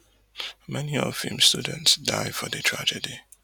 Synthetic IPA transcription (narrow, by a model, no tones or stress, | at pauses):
mɛniɔ̰vimstudə̃ntsdaɪfɔðətʰɹ̥a̰d͡ʒədi